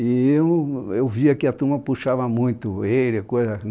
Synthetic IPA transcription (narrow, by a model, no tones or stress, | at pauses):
iewewviɐkɪɐt̪ũmɐpuʃavɐmũj̃t̪ʊejɾɪkojzɐ